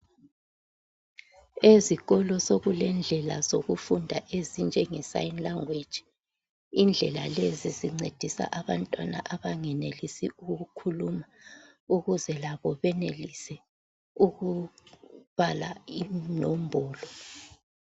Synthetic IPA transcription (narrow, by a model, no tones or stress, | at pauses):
eziɣɔlɔsoɣulɛnd͡ɮʱɛla̰zoɣufundʱaʔezind͡ʒʱɛŋɛsa̰jinlaŋwed̥ʒ̥ʱi̥ | ind͡ɮʱɛlaleziziŋ͡ǀed̥ʱisa̰ʔaβantʼwana̰ʔaβaŋɛnelisiuɣukʰuluma | uɣuzɛlaβɔβɛnelisɛ | uɣu | β̥alaimnɔmbʱɔːlɔ